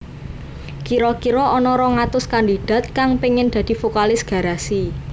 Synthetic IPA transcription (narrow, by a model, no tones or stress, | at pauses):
kiɾɔkiɾɔʔɔnɔɾɔŋat̪ʊskand̪i̤d̥ä̤t̪̚kaŋpiŋɪnd̥̪ä̤d̪̥i̤fokalɪsɡ̥ä̤ɾasi